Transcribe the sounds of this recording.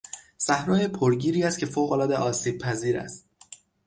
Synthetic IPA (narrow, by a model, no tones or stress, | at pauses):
sæhɾɒːjepʰoɾɟiːɾiːæst̪cʰe̞foːɣolɒːd̪e̞ʔɒːsiːb̥̚pʰæziːɾæ̰st̪̚